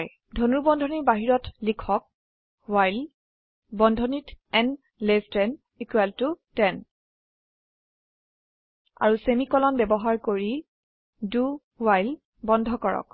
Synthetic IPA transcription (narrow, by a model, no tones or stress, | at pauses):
j | dʱonuɹbɔndʱɔniɹbaɦiɹɔtlikʰɔk̚ | wajl | bɔndʱɔnitɛn | lestɛn | ikwɛltutɛn | a̰ɹusemikɔlɔnbɛbɔɦaɹkoɹi | du | wajl | bɔndʱɔkɔɹɔ̰k